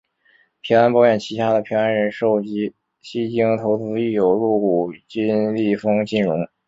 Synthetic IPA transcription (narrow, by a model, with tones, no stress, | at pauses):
pʰi˧˥ŋa˥npɑ˥˧ʊɥɛ˥˩nt͡ɕʰi˧˥t̪ʰa˥d̪ə˨pʰi˧˥ŋa˧˥nɻə˧˥nʂo˥˩ʊt͡ɕi˥ | ɕi˥t͡ɕi˥ŋt̪ʰo˧˥ʊt͡sɹ̩˥i˥˩jo˨˩ʊɻu˥˩ku˨˩t͡ɕi˥nli˥˩fɤ˥ŋt͡ɕi˥˩nɻʊ˧˥ŋ